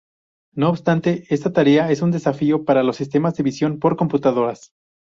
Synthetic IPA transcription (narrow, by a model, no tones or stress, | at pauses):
no̞ːβ̥st̪ant̪e̞est̪at̪aɾe̞ae̞sund̪e̞safio̞paɾalo̞sːist̪e̞mazðe̞βisjo̞npo̞ɾko̞mput̪að̞o̞ɾas